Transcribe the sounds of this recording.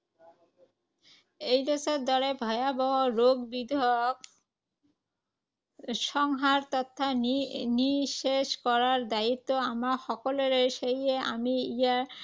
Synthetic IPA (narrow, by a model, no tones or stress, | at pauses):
ejɾɔsoɾd̪ɔɽebʱɔeabɔɦoɾoɡbid̪ʱok | ʃɔŋɦaɾt̪ɔt̪ʰːaniʃeʃkɔɾaɾd̪ait̪ːoamaʃɔkoleɾeɾʃejeʔamiijaɾ